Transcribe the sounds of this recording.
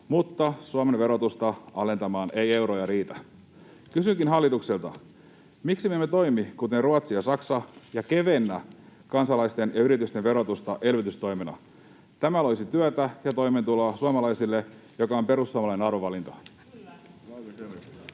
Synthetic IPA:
mut̪ːɑsuɑmenʋeɾo̞t̪ust̪ɑɑle̞nt̪ɑmɑːne̞je̞wɾojɑɾiːt̪æ | kysyŋkinɦɑlːit̪ukselt̪ɑ | miksimemːet̪o̞jmikut̪e̞nruɑt̪siɑsɑksɑjɑke̞ʋe̞nːækɑnsɑlɑjst̪e̞njɑyɾit̪yst̪enʋe̞ɾo̞t̪ust̪ɑʔe̞lʋyt̪yst̪o̞jmenɑ̰ | t̪æmælojsit̪yæt̪æjɑt̪o̞jment̪ulɑsuɑmɑlɑjsilːejo̞kɑo̞mpe̞ɾusːuɑmɑlɑineɑɾoʋɑlint̪o

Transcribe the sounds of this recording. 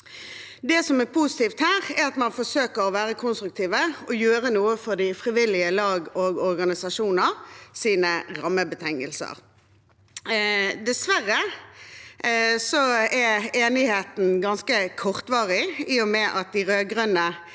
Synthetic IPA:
d̪ɛsɔmɛpʰusɪ̥t̪iːft̪hæːʁɛɾɑt̪mɑnfɔsøːkəɾɔʋæːɾəkʰʊnst̪ɾʉk̚t̪ʰiːʋəɔjøːɾənuːəfɔd̪ɪfʁɪʋɪlɪəlɑːɡɔʁɡɔʁɡɑnɪsɑʂuːnəʁsiːnəʁɑmːəbət̪ʰɛŋːə̰lsə̰ʁ | d̪ɛsʋæʁːə | sɔɛeːnɪheːt̪n̩ɡɑnskəkʰɔʁt̪ʋɑːʁɪiːɔmɛʔɑt̪̚d̪ɪʁøːɡʁœnə

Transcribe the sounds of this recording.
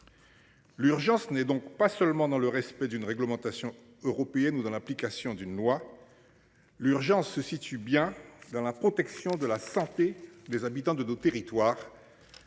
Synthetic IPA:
lyʁʒɑ̃snɛd̪ɔ̃kpasœlmɑ̃d̪ɑ̃ləʁɛspɛd̪ynʁɛɡləmɑ̃t̪asjɔ̃ | øʁɔpeɛnud̪ɑ̃laplikasjɔ̃d̪ynlwa | lyʁʒɑ̃sːəsit̪ybjɛ̃d̪ɑ̃lapχɔt̪ɛksjɔ̃d̪əlasɑ̃t̪ed̪ɛzabit̪ɑ̃d̪ənot̪eʁit̪waːʁ

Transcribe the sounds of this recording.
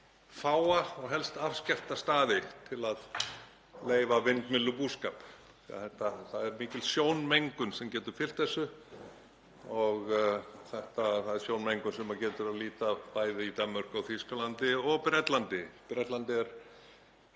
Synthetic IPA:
faːwaɔɣɦɛlst̪afscɛft̪ast̪aːðɪt̪ʰɪlað | leːjvavɪnt̪mɪlːʏpuːskaːp | θia̰θɛht̪aθaðɛɾmiːcɪlsjoːwnmejŋkʏnsɛmcɛːt̪ʏɾ̥fɪl̥t̪θɛsːʏ | ɔɣθɛht̪aθaðɛɾ̥sjownmejŋkʏnsɛmacɛːt̪ʏɾaðliːt̪apaːjðɪit̪amːœr̥kʏawθiskalant̪ɪɔɣpɾɛt̪lant̪ɪpɾɛt̪lant̪ɪɛɾ̥

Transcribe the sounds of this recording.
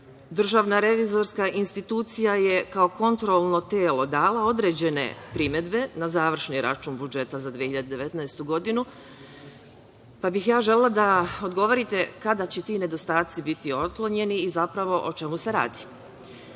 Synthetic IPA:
d̪r̩ʒaːʋnaɾe̞ʋizo̞ɾskaʔinst̪it̪uːt̪sijaje̞kao̞ko̞nt̪ɾolˠno̞t̪eːlo̞d̪aːlao̞d̪ɾe̞ːd͡ʑe̞ne̞̰pɾime̞d̪be̞nazaːʋr̩ʃniɾa̰t͡ʃuːnbud͡ʒe̞t̪azad̪ʋieçiʎad̪ed̪e̞ʋe̞t̪nɛest̪uɡo̞d̪inu | pabixjaːʒe̞lelˠad̪ao̞d̪ɡo̞ʋoɾit̪e̞kad̪at͡ɕɛt̪iːne̞d̪o̞st̪aːt̪sibit̪io̞t̪klˠoɲe̞niːzapɾaʋo̞ʔot͡ʃe̞muse̞ɾa̰ːd̪i̥

